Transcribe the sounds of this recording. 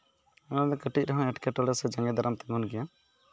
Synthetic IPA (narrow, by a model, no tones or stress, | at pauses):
ɛnad̪ɔkəʈic̚ɾəɦɔ̃ɛʈkɛʈɔɽɛsɛd͡ʒaŋɡɛd̪aɾamt̪ɛmunɡɛja